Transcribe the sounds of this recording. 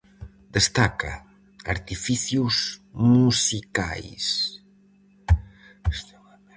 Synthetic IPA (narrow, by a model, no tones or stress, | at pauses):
d̪əst̪aka̰ | a̰ɾt̪ifiθjuzmusika̰js